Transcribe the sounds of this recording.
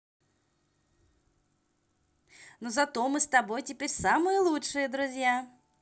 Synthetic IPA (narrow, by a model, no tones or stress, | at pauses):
nuzɐt̪omɨst̪ɐbojtʲɪpʲeɾʲsamɨjəlˠutʂɨjəd̪ɾʊzʲja